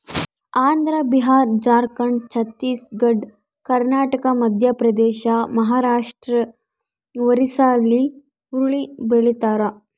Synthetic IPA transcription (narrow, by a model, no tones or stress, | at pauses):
aːnd̪ɾɐbiɦaːɾd͡ʒaːɾkɐɳt͡ʃʰɐt̪ːiːsɡɐɖ | kɐɾnaːʈɐkɐmɐd̪ʱjɐpɾɐd̪ɛːʃamɐɦaːɾaːʂʈɾɐ | ʋɐɾisaːlːi | uɾuɭibeɭit̪aːɾɐ